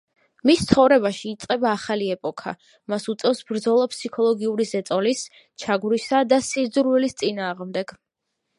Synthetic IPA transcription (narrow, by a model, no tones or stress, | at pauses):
mist̪sʰχɔvɾɛbaʃiːt̪sʼqʼɛbaːχaliɛpʼɔkʰa̰ | masut̪sʼɛfsbɾd̪zɔlˠapʰsikʰɔlˠɔɡiuɾizɛt̪sʼɔlis | t͡ʃʰaɡɾisad̪asizuɾwɛlist̪sʼinaːʁmd̪ɛɡ̥